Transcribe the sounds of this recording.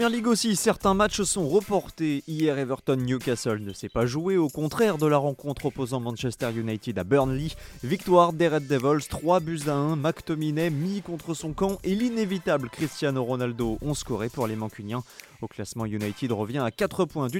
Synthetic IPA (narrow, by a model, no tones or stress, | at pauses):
mjɛʁliɡosisɛʁt̪ɛ̃mat͡ʃsɔ̃ʁəpɔʁt̪eijɛʁevœʁt̪ɔnːjukasɛlnəsɛpaʒueokɔ̃t̪χɛʁd̪əlaʁɑ̃kɔ̃t̪χɔpozɑ̃mɑ̃nʃɛst̪ɛʁjunajt̪id̪abœʁnlivik̚t̪waʁd̪eʁɛt̪̚d̪evɔlst̪χwabyzaɛ̃makt̪ɔminɛmikɔ̃t̪χəsɔ̃kɑ̃ʔelinevit̪ablkχist̪janoʁɔnald̪oʔɔ̃skɔʁepuʁlemɑ̃kʲynjɛ̃ | oklasmɑ̃junajt̪id̪ʁəvjɛ̃akat̪χəpwɛ̃d̪y